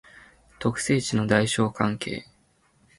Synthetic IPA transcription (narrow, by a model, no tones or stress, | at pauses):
t̪o̞kɯ̟̥se̞ːt͡ɕino̞d̪aiɕo̞ːkʰãŋkʰe̞̰ː